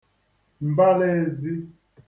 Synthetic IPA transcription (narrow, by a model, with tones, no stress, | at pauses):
m̩˨ba˦lɛ˦zi˦